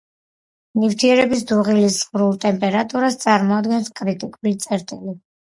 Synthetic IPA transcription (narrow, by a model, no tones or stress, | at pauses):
nift̪ʰiɛɾɛbis̬d̪uʁilisʁɾulˠt̪ʼɛmpʼɛɾat̪ʼuɾast̪sʼaɾmɔad̪ɡɛnskʼɾit̪ʼikʼulit̪sʼɛɾt̪ʼili